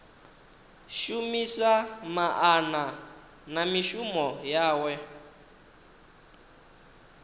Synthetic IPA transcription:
ʃumisamaʔana | namiʃumɔjaːwɛ

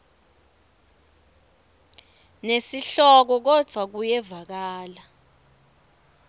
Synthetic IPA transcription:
nesiɬɔk̬ɔk̬ɔd͡v̥ʱwak̬ujɛvak̬aːla

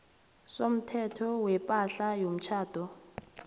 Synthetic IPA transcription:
som̩tʰɛtʰɔwɛpʼaɬajom̩t͡ʃʰaːtʰɔ

